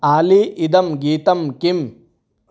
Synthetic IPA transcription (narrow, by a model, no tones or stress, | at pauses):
aːliid̪ɐmɡiːt̪ɐmkim